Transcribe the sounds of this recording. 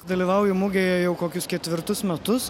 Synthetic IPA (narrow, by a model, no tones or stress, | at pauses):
d̪ɐlʲiːʋɐʊjʊmʊɡʲeːjɛjɛʊkoːkʲʊskʲɛt̪ʲʋʲɪɾt̪ʊsmʲɛt̪ʊs